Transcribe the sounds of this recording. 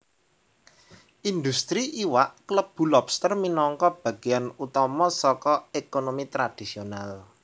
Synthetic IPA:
ʔind̪ust̪ɾiʔiwaʔkləb̥ṳlɔbst̪ərminɔŋkɔb̥ä̤ɡ̥ianut̪ɔmɔsɔkɔekonomit̪ɾad̪̥i̤sional

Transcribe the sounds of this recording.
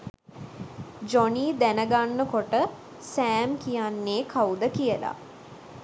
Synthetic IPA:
d͡ʒɔniːd̪ænəɡanːəkoʈə | sæːmkijanːeːkʰaud̪əkijəla̰

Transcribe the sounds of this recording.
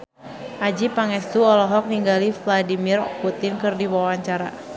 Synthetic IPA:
ʔad͡ʒipaŋɛst̪uɔlɔɦɔk̚niŋɡalifladimirput̪ɪnkɨrdiwawaɲt͡ʃaɾa̰

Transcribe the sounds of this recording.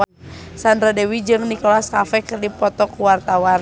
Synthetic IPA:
sandɾadɛwid͡ʒɨŋnikɔlaskafɛkɨrdipɔt̪ɔkuwart̪awan

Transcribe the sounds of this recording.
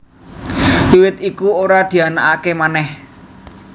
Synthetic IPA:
liwɪt̪̚ikuoɾad̪̥i̤anaʔakemanɛh

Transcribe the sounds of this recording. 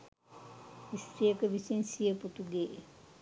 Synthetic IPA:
ist̪ɾijəkəʋisinsijəput̪uɡeː

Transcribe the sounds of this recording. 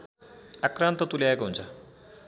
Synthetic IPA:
akɾant̪ət̪uliajkəɦũnt͡sa

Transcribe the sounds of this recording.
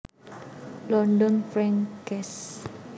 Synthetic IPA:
lɔndɔnfɾɛŋkɛs

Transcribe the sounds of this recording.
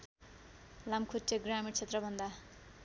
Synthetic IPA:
lamkʰutːeɡramiʈt͡sʰet̪rʌbʱʌnd̪a

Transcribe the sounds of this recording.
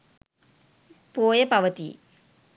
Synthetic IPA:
poːjəpɐʋət̪i

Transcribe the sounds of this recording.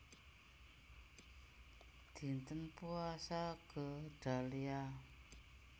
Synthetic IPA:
d̪̥i̤nt̪ənpuasaɡ̥əɖ̥a̤lia

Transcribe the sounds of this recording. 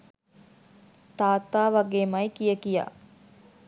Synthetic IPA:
t̪aːt̪aːʋaɡeːmɐjkijəkija̰ː

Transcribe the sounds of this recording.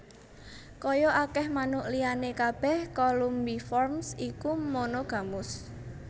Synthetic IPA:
kɔjɔakɛhmanʊʔlijanekab̥ɛ̤hkɔlumbifɔrmsikumonoɡ̥a̤mʊs

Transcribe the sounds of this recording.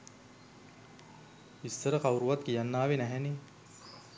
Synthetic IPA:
isːəɾɐqawɾuʋɐt̪kijanːaːʋenæɦɛni

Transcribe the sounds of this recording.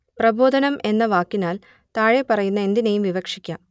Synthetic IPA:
prɐbo̞ːd̪ɐnɐme̞nːɐʋaːkːinaːl | t̪aːɻepɐrɐjunːɐe̞nd̪inejumʋiʋɐkʂikʲːaːm

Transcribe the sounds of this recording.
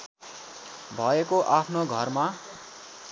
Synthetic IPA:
bʱʌekoʔapʰnoɡʱʌrma

